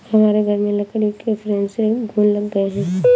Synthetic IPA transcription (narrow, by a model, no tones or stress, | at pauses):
hɐmaːɾeɡʱɐɾmẽlɐkəɾikefʰɾẽːnseɡʱuːnlɐɡɡəeɦɛ̃ː